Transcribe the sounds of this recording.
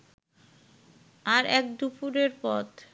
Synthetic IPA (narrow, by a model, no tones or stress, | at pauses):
aɾɛk̚d̪upuɾeɾpɔ̰t̪